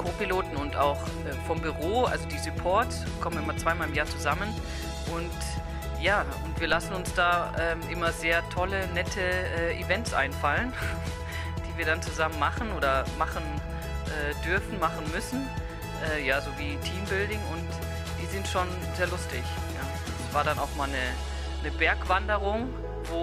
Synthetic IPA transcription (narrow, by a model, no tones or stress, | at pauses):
kʰoːpiloːtn̩ʊnta̰ʊx | ʔɛːfɔmbyʁoːʔa̰lzodiːsupʰɔɐt | kʰɔmənɪmɐt͡sv̥aɪmaːlɪmjaːɐt͡suzamən | ʔʊnt | jaː | ʊntv̥iːɐlasn̩ʊnsd̥aːʔɛːmʔɪmɐzeːɐtʰɔlənɛtʰəʔɛːʔḭvɛntsʔa̰ɪnfalən | d̥iːviːɐdant͡suzamənmaχn̩ʔoːdɐmaχn̩ | ʔɛːdʏɐfn̩maχn̩mʏsn̩ | ʔɛːjaːzoːviːtʰiːmbɪldɪŋʊnt | d̥iːzɪntʃoːn | zeːɐlʊstʰɪ̰ç | jaː | sv̥aːɐɾanaʊxmaːlnə | nəbɛɐkv̥andəʁʊŋ | voː